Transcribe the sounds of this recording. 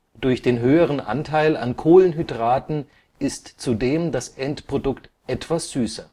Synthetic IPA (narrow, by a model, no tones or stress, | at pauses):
d̥ʊɐçd̥eːnɦøːəʁ̞ənʔa̰ntʰaɪla̰nkʰoːlənɦydʁaːtn̩ | ɪstt͡sudeːmdasʔɛntpʁ̥odʊkt | ʔɛtv̥asz̥yːsɐ